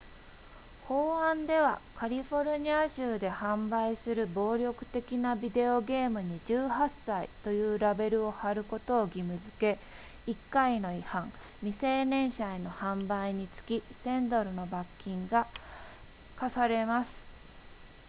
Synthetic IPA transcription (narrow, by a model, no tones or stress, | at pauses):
ho̞ːãnd̪e̞βa̰kʰaɾʲiɸo̞ɾɯ̟ɲ̟iaʑɨːd̪e̞hãmbaisɨɾɯ̟bo̞ːɾʲo̞kɯ̟̥t̪e̞kʲinabʲid̪e̞o̞ɡe̞ːmɯ̟ɲ̟id͡ʑɨːhasːaḭt̪o̞jɯ̟ːɾabe̞ɾɯ̟o̞haɾɯ̟ko̞t̪o̞ːɡʲimɯ̟zɨke̞ | ikːaino̞ihãŋ | mʲise̞ːnẽ̞ɰ̃ɕaeno̞hãmbaiɲ̟it͡sɨ̥kʲisẽ̞nd̪o̞ɾɯ̟no̞bakʲːĩŋɡa | kasaɾe̞masɨ̥